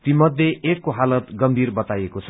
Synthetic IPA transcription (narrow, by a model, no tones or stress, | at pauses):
t̪imʌd̪ʱjeʔekːoɦalʌt̪ɡʌmbʱirbʌt̪ajekot͡sʰʌ̥